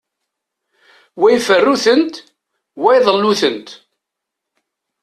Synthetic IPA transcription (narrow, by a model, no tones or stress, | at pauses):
wæjfərːuθənt̪ | wæjðˤəlːuθənt̪